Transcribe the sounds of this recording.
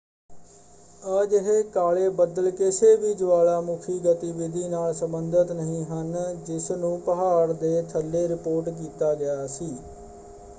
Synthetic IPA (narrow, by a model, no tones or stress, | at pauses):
əd͡ʒɦeːkaːleːbəd̪əlkɪseːʋiːd͡ʒʋaːlaːmʊkʰiːɡət̪iːʋɪd̪ʱiːnaːlsəmbənd̪ət̪nəɦĩːɦənd͡ʒɪsnũːpəɦaːɾd̪eːt̪ʰəlːeːɾɪpoːɾʈkiːt̪aːɡɪjaːsiː